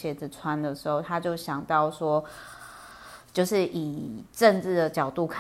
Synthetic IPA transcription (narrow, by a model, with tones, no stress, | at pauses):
ɕjɛ˨˩d͡zɹ̩˨t͡sʰwa˦nd̪ə˨ʂɻ̩˧˥ho˥˩ʊt̪ʰa˦˥t͡ɕjo˥˩ʊɕjɑ˨˩ŋt̪ɑ˥˩ʊʂwɔ˥ | t͡ɕjo˥˧ʊʂɻ̩˥˩ʔi˨˩ʈ͡ʂə˥˧ŋʈ͡ʂɻ̩˥˩d̪ə˩t͡ɕjɑ˨˩ʊt̪u˥˨kʰ